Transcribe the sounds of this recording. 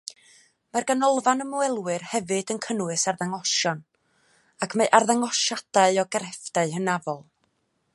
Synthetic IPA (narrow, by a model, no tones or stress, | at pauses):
marɡanɔlˠvanəmuɛlˠwɨrhɛvɨdənkʰənwɨsarðaŋɔʃɔn | akʰmeɨʔarðaŋɔʃad̥aɨɔɡɛɾɛfd̥aɨɦənavɔlˠ